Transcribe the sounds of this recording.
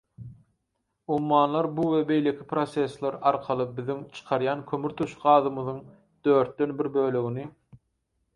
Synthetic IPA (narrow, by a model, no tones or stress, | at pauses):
ummɑːnlˠɑɾbuwebe̞jle̞kʲʰipʰɾose̞slˠɑɾɑɾqʰɑlˠɯbiðiŋt͡ʃʰɯ̥qʰɑɾjɑnkʰømyɾt̪ʰuʃɢɑːðɯmɯðɯŋ | d̪̥øːɾt̪̚d̪ø̞nbiɾbø̞ːløɣini